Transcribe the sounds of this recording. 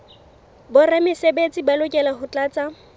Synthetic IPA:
bʊramɪsebet͡sʼɪbalʊkʼɛlaɦʊt͡ɬʼaːt͡sʼa

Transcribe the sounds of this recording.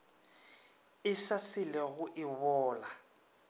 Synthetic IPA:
ɪsasɪlɛɣʊʔɪβɔːla

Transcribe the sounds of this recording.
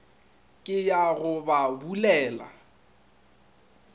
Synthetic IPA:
kʼɪjaɣʊbabulɛːla̰

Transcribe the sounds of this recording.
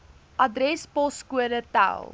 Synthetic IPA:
ʔɐdrɛspɔskuədərta̰lˠ

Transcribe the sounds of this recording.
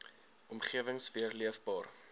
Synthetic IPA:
ʔɔmχiəvəŋsviərliəfbɑːr

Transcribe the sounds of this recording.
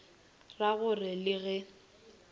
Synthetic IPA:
raɣʊrɪlɪɣɛ

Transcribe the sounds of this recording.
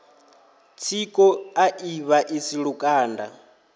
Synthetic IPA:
t͡sʰikʼɔaʔiβaʔisiɺukʼaːnda̰

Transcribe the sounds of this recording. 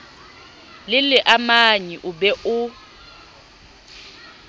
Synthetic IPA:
lɪlɪʔamaɲiʔʊbɛʔʊ

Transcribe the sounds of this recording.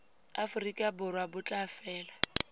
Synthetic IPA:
afʊrikʼabʊrwabʊt͡ɬʼafɛːla

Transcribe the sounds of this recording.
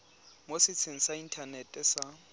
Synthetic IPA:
mosɪt͡sʰeŋ̩sain̩tʰanɛtʼɛsa

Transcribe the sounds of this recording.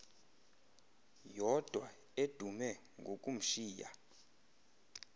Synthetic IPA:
jɔd̥ʱwa | ed̥ʱumɛ | ŋɡʱokʼum̩ʃiːja̰

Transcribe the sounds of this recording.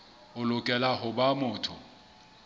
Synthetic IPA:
ʊlʊkʼɛlaɦʊbamʊːtʰɔ

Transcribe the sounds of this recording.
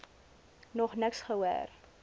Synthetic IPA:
nɔχnəksχəɦuə̰r

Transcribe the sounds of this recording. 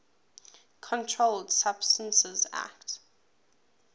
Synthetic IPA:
kʰɔ̃ntʰɹoldsab̥stə̃nsəza̰kt

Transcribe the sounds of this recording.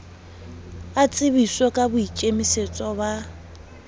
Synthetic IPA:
at͡sʼɪβisɔkʼabʊit͡ʃʼemiset͡sʼɔβa

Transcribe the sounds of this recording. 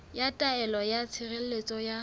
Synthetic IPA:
jatʼaɛlɔjat͡sʰɪrel̩let͡sʼɔja

